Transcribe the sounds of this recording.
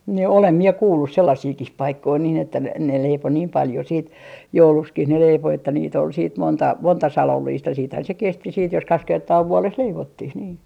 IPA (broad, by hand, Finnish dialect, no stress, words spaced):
ni olem mie kuːlːus selːɑsiːkih pɑikːoi niːn etːæ ne ne leipo niːm pɑljo siːt joulukskih ne leipo etːæ niːt ol siːt montɑ montɑ sɑlolːiːst jɑ siːthæn se kesti siːt jos kɑks kertɑː ʋuoles leiʋotːih niː